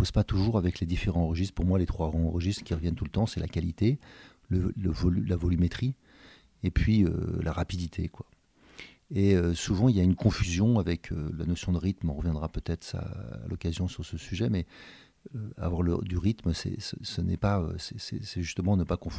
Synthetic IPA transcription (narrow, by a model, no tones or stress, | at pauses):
ospat̪uʒuʁavɛkled̪ifeʁɑ̃ʁəʒist̪χpuʁmwalet̪χwaɡʁɑ̃ʁəʒist̪χkʲiʁəvjɛnt̪ulət̪ɑ̃sɛla̰kʲalit̪e | lələvɔlylavɔlymet̪χi | epʰɥiø̰laʁapid̪it̪ʰekwa | eøsuvɑ̃iljaynkɔ̃fyzjɔ̃avɛkʰø̰la̰nɔsjɔ̃d̪əʁit̪mɑ̃ʁəvjɛ̃d̪ʁapøt̪ɛt̪χa̰a̰lʔɔkazjɔ̃syʁsəsyʒɛmɛ | øa̰vwaʁlə̰d̪yʁit̪msɛ̰səsənɛ̰paø̰sɛsɛ̰sɛʒyst̪əmɑ̃nəpakɔ̃f